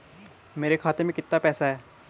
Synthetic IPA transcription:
meːɾeːkʰaːt̪emẽːkɪt̪ːaːpɛːsaɦɛː

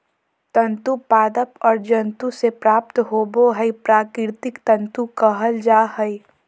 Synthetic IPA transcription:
t̪ə̃nt̪upaːd̪əpɔːɾd͡ʒɐ̃nt̪usepɾaːp̚t̪ɦoːboɦəipɾaːkɪɾt̪ɪkt̪ə̃nt̪ukəɦəld͡ʒaːɦəi

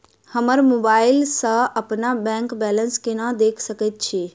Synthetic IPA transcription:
həməɾmoːbaːɪlsə̃ɐpnabɛ̃ːŋkbɛːlənskenad̪eːkʰsəkət̪̚t͡ʃʰi

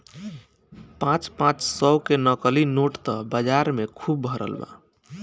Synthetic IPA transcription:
pãt͡ʃpãt͡ʃsɔwkenəkəlinoʈt̪ɔbəd͡ʒaɾmekʰubːʱəɾə̰lba̰

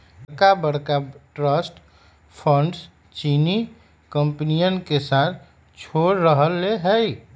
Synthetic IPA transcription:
kabəɽkaʈɾəsʈ | pʰə̃ɳɖs | t͡ʃiːni | kə̃mpnijənkesaːt̪̚ʰ | t͡ʃʰoːɾːəɦəlːeɦɛi

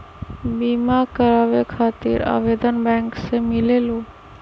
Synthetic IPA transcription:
biːmakəɾaːʋekʰaːt̪ḭɾa̰ːʋeːd̪ənbɛ̃ːŋksemɪleːloː

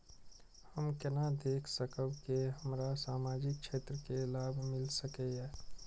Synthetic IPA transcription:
həmkənad̪eːkʰsəkəbkeɦəmɾasaːmaːd͡ʒɪk̚t͡ʃʃʰeːt̪ɾəkelaːbʱmɪlsəkeɛː

